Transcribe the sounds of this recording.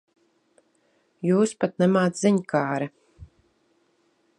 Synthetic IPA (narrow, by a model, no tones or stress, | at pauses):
juːspat̪nɛmaːt̪sziɲkʰaːɾɛ